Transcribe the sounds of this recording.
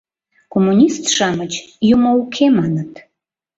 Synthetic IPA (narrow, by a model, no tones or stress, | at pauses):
komːunʲist̪ʃɑmət͡ɕjumoukʰemɑnət̪